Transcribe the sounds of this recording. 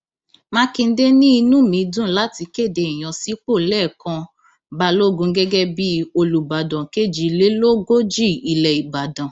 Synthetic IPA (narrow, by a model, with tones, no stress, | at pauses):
mã˦kĩ˧n̩˦de˦nĩ˦i˧nũ˦˨mĩ˨˧˦dũ˦˨˦la˦ti˧ke˦˨de˨i˨j̃ã˧si˦k͡po˦˨lɛː˦˨kã˧ | ba˧lo˦˨ɡũ˧˦ɡɛ˦ɡɛ˦bi˦o˧lu˨ba˨dã˨ke˦˨d͡ʒi˨˧le˦lo˦ɡo˦d͡ʒi˦˨i˨lɛ˨i˨ba˨dã˨